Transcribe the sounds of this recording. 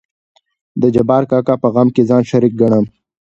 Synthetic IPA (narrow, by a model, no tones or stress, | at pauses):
d̪əd͡ʒɐbɑːɾkɑːkapəɣamkezɑːnʃɐɾik̚ɡɐɳ̃am